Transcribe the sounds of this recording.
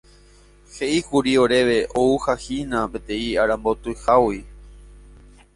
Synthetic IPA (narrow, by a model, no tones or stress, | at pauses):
he̞ʔihuɾio̞ɾe̞ʋe̞ʔouhahinãpet̪ẽiaɾãmbot̪ɨhawi